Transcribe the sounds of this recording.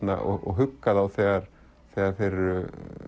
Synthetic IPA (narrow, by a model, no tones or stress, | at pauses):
na̰ɔ̰ɣɔ̰ɣɦʏkːaðawθɛːɣaɾ | θɛːɣaɾ̥θejɾʏ